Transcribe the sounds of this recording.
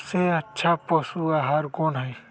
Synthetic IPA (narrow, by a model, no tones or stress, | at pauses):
seɐtːʃʰaposuaɦaɾkoːnɦɐi